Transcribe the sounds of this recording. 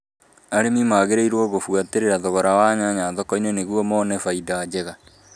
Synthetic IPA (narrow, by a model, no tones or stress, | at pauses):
aɾemimaɣeɾeiɾwɔɣofwateɾeɾaðɔɣɔɾawaɲaɲaðɔkɔinwɛneɣwɔmɔnɛfaidad͡ʑeɣa